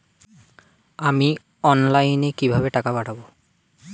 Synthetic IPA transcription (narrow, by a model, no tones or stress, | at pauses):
ami | ɔnlajnekibʱabeʈakabaʈʰabo